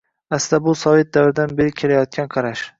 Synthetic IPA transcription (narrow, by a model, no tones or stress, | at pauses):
asɪd̪abʊsɒvɪt̪̚d̪avɾɪd̪anbeɾɪkʲʰːelajɒt̪̚kʲʰanqʰɑɾaʃ